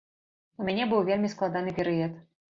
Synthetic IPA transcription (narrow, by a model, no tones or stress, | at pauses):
umʲanʲɛbɨwvʲelʲmʲisklˠad̪an̪ɨpʲɛɾɨɛt̪